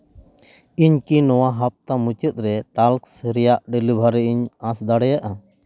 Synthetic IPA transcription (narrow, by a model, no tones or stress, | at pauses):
iɲkinɔwaɦap̚t̪amut͡ʃət̪̚ˀɾɛʈalksɾɛjaʔɖəlubʱaɾɛiɲãsd̪aɽɛjaʔa